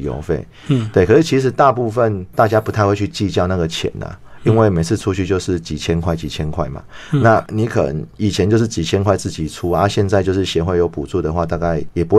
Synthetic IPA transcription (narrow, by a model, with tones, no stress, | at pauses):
jo̰˧˥ʊfḛ˥˩ɪ | t̪we˥˩ɪkʰɤ˨˩ʂɻ̩˥˩t͡ɕʰi˧˥ʂɻ̩˧˦t̪a˥˧pu˥˧fə˥˨nt̪a˥˧t͡ɕja˦˥pu˧˥t̪ʰa˥˧ɪwe˥˧t͡ɕʰy˥˧t͡ɕi˥˧t͡ɕjɑ˥˧ʊna˥˩ɡə˩t͡ɕʰjɛ̰˨˩˦nə̰˨˩i˦nwe˥˩ɪme˧˥ɪt͡s̩ʰ˥˧ʈ͡ʂʰu˥t͡ɕʰy˥˧t͡ɕjo˥˧ʊʂɻ̩˥˩t͡ɕi˨˩t͡ɕʰjɛ˥nkʰwa˥˩ɪt͡ɕi˨˩t͡ɕʰjɛ˥nkʰwa˥˩ɪma̰˩na˥˨ni˧˥kʰɤ̰˨˩nə̰˧˦ŋi˨˩t͡ɕʰjɛ˧nt͡ɕo˥˧ʊʂɻ̩˥˩t͡ɕi˨˩t͡ɕʰjɛ˥nkʰwa˥˧ɪt͡sɹ̩˥˩t͡ɕi˨˩t͡sʰu˦a˧ɕjɛ˥˧nt͡sa˥˧ɪt͡ɕjo˥˧ʊʂɻ̩˥˩ɕjɛ˧xwe˥˩jo˧˥ʊpu˨˩t͡su˥˩d̪ə˨xwa˥˧t̪a˥˧ka˥˩ɪjɛ˨˩pu˧˥